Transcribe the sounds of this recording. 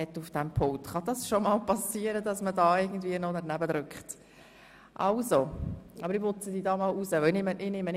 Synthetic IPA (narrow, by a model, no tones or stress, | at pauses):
ɛtufd̥ɛmpʰʊŋtχɑd̥ɑsʃomɑlpɑsiːəɾədɑsmədɑːɪɡn̩dviənɔnɛɾnæbədɾʏkχt | ʔɑlzoʔɑbəɾɪpʊt͡sədiːdɑːmɑluzəʋœlnɪməʔɪnɪmən